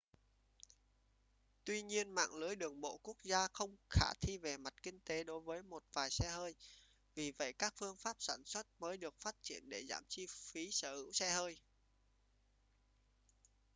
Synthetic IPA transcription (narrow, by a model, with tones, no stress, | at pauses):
t̪wi˧ɲi˧ənma̰ː˧˨ŋlɨ˨˦əjɗɨ˨˩əŋɓo̰˧˨ku˦˥ək̚zaː˧xə˧wŋ͡mxaː˧˩t̪ʰi˧ve˨˩ma˨˩t̚kï˧ŋ̟t̪e˨˦ɗo˨˦jvəː˨˦jmo˨˩t̚vaː˨˩jsɛ˧həː˧j | vi˨˩və̰˧˨jkaː˦˥k̚fɨ˧əŋfaː˦˥p̚sa̰ː˧˩nswə˦˥t̚məː˨˦jɗɨ˨˩ək̚faː˦˥t̚t͡ɕḭ˧˩ənɗe˧˩za̰ː˧˩mt͡ɕi˧fi˨˦səː˧˩hɨ̰˧˥wsɛ˧həː˧j